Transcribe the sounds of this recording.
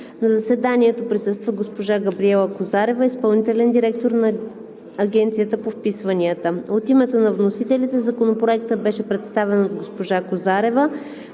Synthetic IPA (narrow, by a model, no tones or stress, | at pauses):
nɐzəsɛd̪aniɛt̪opɾisɤst̪vəɡospoʒaɡəbɾiɛlˠəkozaɾɛvəispɐlˠnit̪ɛlɛnd̪iɾɛkt̪oɾnɐː | ɡɛnt̪sijət̪əpofpisvɐniət̪əot̪imɛt̪onɐvnosit̪ɛlit̪ɛzɐkonopɾoɛkt̪əbɛʃɛpɾɛt̪st̪avɛnod̪ɡospoʒakozaɾɛvə